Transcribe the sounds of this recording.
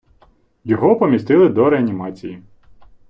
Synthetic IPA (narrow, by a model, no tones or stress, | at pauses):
jɔɦɔpɔmʲist̪ɪlˠɪd̪ɔɾeɐnʲimɑt͡sʲiji